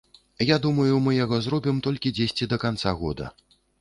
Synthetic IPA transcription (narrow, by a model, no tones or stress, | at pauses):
jad̪umɐjumɨjaɣɔzɾɔbʲimt̪ɔlʲkʲid͡zʲesʲt͡sʲid̪ɐkant̪saɣɔ̰d̪ɐ̰